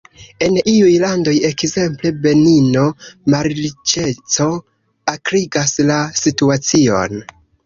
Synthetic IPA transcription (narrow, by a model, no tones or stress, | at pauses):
e̞niujlando̞je̞kze̞mple̞be̞nino̞maɾt͡ʃe̞t͡so̞ | akɾiɡaslasituat͡sio̞̰n